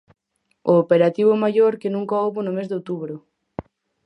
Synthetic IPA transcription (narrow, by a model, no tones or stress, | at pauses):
oːpeɾat̪iβomaʎoɾkenũŋkaoβonʊmezd̪owt̪uβɾʊ